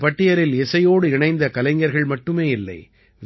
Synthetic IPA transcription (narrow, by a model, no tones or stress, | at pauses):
pɐʈːɪjɐɾɪlɛsɐjoːɽɯɪɳɐɪnd̪ɐkɐlɐɪŋɡɐɾɣɐɭmɐʈːɯmeːɪlːɐ̰ɪ | ʋ